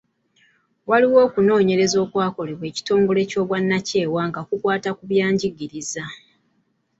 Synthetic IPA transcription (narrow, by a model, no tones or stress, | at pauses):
waliwo̞ːkuno̞ːɲe̞ɾe̞zo̞ːkwaːko̞leβwe̞ːci̥to̞ːŋɡo̞le̞co̞ːβwanːace̞ːwaːŋɡakukwaːtakuβjaːɲɟiɡiɾiza